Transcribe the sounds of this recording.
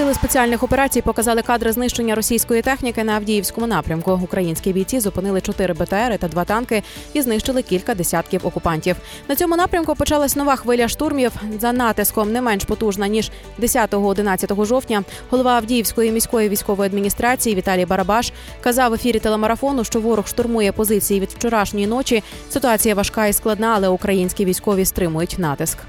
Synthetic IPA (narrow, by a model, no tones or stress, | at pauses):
sɨlˠɪspet͡sʲialʲnɪxɔpeɾɑt͡sʲijpɔkɐzɑlˠɪkɑd̪ɾɪznɪʃt͡ʃe̞nʲːɐɾɔsʲijsʲkɔjit̪ɛxnʲikɪnɐːwdʲijiwsʲkɔmʊnɑpɾʲɐmkʊʊkɾɐjinʲsʲkʲiʋʲijt͡sʲizʊpɪnɪlˠɪt͡ʃɔt̪ɪɾɪbet̪ɛɛɾɪt̪ɐd̪ʋɑt̪ɑnkɪ | iznɪʃt͡ʃelˠɪkʲilʲkɐd̪esʲat̪kʲiwɔkʊpɑnʲtʲiw | nɐt͡sʲɔmʊnɑpɾʲɐmkʊpɔt͡ʃɑlˠɐsʲnɔʋɑxʋɪlʲɐʃt̪urmʲiwzɐnɑt̪ɪskɔmnɛmɛnʃpɔt̪uʒnɐnʲiʒ | d̪esʲat̪ɔɦɔːd̪ɪnɑt͡sʲːɐt̪ɔɦɔʒɔwtʲnʲɐ | ɦɔlˠɔʋɑɐwdʲijiwsʲkɔjimʲijsʲkɔjiʋʲijsʲkɔʋɔjɐd̪mʲinʲist̪ɾɑt͡sʲijiʋʲit̪ɑlʲijbɐɾɐbɑʃ | kɐzɑwefʲiɾʲit̪elˠemɐɾɐfɔnʊʃt͡ʃɔʋɔɾʊxʃt̪ʊrmujɛpɔzɪt͡sʲijiʋʲid̪wt͡ʃɔɾɑʃnʲɔjin̪ɔt͡ʃʲi | sɪt̪ʊɑt͡sʲijɐʋɐʃkɑisklˠɐd̪nɑːlˠɛʊkɾɐjinʲsʲkʲiʋʲijsʲkɔʋʲist̪ɾɪmʊjʊtʲnɑt̪ɪsk